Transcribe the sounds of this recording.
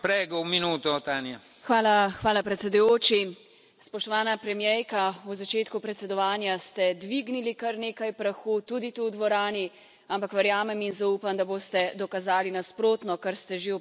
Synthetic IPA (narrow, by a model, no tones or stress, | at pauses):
pɾɛːɡɔumːinuːt̪ɔt̪anja | xʋaːlaxʋaːlapɾɛt̪sɛd̪ujoːt͡ʃi | spɔʃt̪ɔʋaːnapɾɛmjɛjkauzat͡ʃeːt̪kupɾɛt̪sɛd̪ɔʋaːnjast̪ɛd̪ʋiɡnilikɐɾneːkajpɾaxuːt̪uːd̪it̪uwd̪ʋɔɾaːni | ampakʋɛɾjaːmɛminzauːpamd̪aboːst̪ɛd̪ɔkazaːlinaspɾoːt̪nɔkɐɾst̪ɛʒe